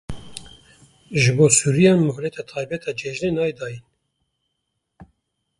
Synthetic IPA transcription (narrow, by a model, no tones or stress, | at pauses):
ʒɨboːsuːɾijɑːnmʊhlɛt̪ʰɑt̪ʰɑːjbɛt̪ʰɑːd͡ʒɛʒnenɑːjd̪ɑːjin